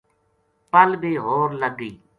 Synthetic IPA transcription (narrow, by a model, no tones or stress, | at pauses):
pəlbiːɦoːɾləɡiː